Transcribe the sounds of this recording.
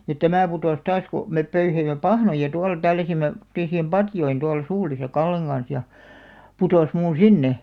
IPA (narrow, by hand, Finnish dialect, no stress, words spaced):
jɑ tæmæˑ putoˑs tɑːs ku mep pøyheimˑe pɑhnojɑ tuɑl tælːæsimːe tŏmotːeːsiːm pɑtjoin tuɑl suːlisɑ kɑlːeŋ ɡ̊ɑns jɑ putoˑs muːũ sinːe